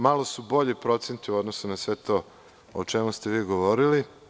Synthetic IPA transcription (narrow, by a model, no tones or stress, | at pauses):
malosubo̞ʎepɾo̞t̪sent̪iuod̪nosunasʋet̪o | ot͡ʃemust̪eʋiːɡoʋoɾili